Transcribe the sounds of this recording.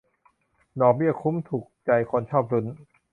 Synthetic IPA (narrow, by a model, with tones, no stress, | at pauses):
dɔː˨˩bi˥˩əkʰu˦˥mt̪ʰuː˨˩k̚t͡ɕa˧jkʰo˧nt͡ɕʰɔː˥˩p̚ɾu˦˥n